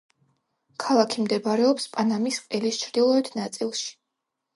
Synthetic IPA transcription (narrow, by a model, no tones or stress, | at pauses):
kʰalˠakʰimd̪ɛbaɾɛɔpspʼanamisqʼɛlist͡ʃʰɾd̪ilˠɔɛt̪ʰnat̪sʼilˠʃi̥